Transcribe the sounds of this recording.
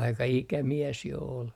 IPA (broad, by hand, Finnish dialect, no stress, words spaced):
ɑikɑ ikæmies jo ol